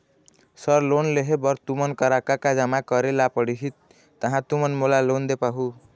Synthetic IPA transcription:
sʌɾlonleɦebʌɾt̪umənkʌɾakakad͡ʒamakʌɾelapʌɽiɦit̪̚ː | ʌɦãt̪umʌnmolalond̪epaɦu

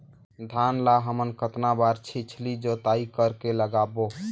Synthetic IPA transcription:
d̪ʱanlaɦəmənkət̪nabaɾt͡ʃʰit͡ʃʰlid͡ʒot̪aikəɾkeləɡabo

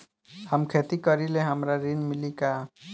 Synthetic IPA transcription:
həmkʰet̪ikʌɾileɦəmɾaɾinmilika

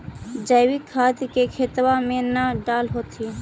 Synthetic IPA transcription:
d͡ʒəjwɪkʰːaːd̪kekʰet̪wamẽnaɖaːlɦoːt̪ʰi

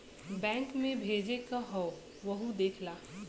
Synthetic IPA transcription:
bɛ̃ːŋkmẽbʱeːd͡ʒekaɦɔː | ʋɐɦud̪eːkʰlaː

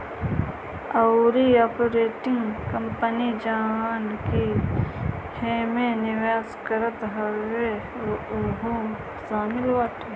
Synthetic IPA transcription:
ɐwɾiaːpoɾeːʈɪŋɡkəmpənid͡ʒaːʋaːnki | hẽːmẽnɪʋaːskəɾət̪ɦəɾwe | ɦõː | saːmɪlwaːʈe

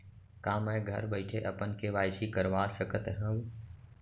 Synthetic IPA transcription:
kãːmɛ̃ɡʱə̰ɾbəɪʈʰeʔɐpən̆kʰeʋaːjsikəɾʋaːsəkət̪ɦə̃ũ

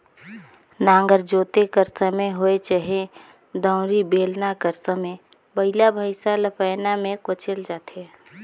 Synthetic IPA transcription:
nãːŋɡəɾd͡ʒoːt̪ekəɾsəmeɦoet͡ʃəɦe | d̪ə̃ːʊ̃ɾibeːlnakəɾsəme | bəɪlabʱəɪsaləpəɪnamẽkʊt͡ʃəld͡ʒaːt̪e

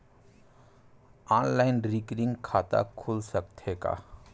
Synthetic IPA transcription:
aːnlaɪnɾikɾɪ̃ŋɡkʰaːt̪a̰kʰulsək̚t̪ʰeka̰

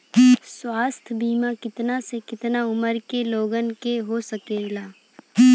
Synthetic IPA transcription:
swaːst̪ʰbiːmakɪt̪nasekɪt̪naʊməɾkeloːɡənkeɦosɐkeːlaː

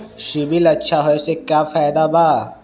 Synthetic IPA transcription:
ʃibilɐtːʃʰaɦoesekjaːfaːɪd̪abaː

